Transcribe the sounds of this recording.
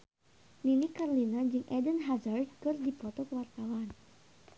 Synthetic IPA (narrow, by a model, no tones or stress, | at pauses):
ninikaɾolinad͡ʒɨŋʔɛdənɦazərdkɨrdipɔt̪ɔkəwart̪awan